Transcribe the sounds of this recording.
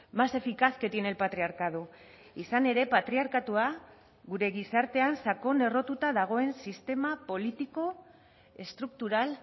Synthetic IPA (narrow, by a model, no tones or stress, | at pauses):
mase̞fikaske̞t̪ine̞lpat̪ɾiaɾkaðu | isane̞ɾe̞pat̪ɾiaɾkat̪ua | ɣuɾe̞ɣisaɾt̪e̞ansako̞ne̞ro̞t̪ut̪aðaɣ̞o̞e̞nsist̪e̞mapo̞lit̪iko̞ | e̞st̪ɾuk̚t̪uɾal